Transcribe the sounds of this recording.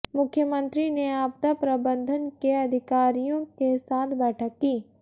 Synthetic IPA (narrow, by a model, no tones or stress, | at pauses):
mʊkʰːjəmə̃nt̪ɾineaːb̚t̪apɾɐbə̃nd̪ʱənkeɐd̪ʱɪkaːɾijõkesaːt̪ʰbɛːʈʰəkːiː